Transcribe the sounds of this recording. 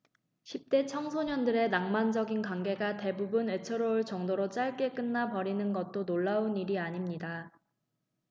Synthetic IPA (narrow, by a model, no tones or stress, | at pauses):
ɕʰip̚t͈e̞t͡ɕʰʌŋsʰoɲʌndɯɾe̞naŋmand͡ʑʌɡinkwaŋɡe̞ɡate̞bubune̞t͡ɕʰɯɾoɯɭt͡ɕʌŋdoɾot͡ɕ͈aɭk͈e̞k͈ɯnːapʌɾinɯnɡʌt̚t͈onoɭːauniɾiaɲimɲida